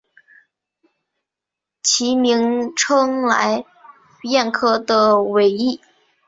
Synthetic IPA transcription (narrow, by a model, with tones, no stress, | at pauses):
t͡ɕʰi˧˥mi˧˥ŋʈ͡ʂʰɤ˥ŋla̰˧˥ɪ | jɛ˥˧nkʰɤ˥˩d̪ə˧we˧˥ɪi˥˩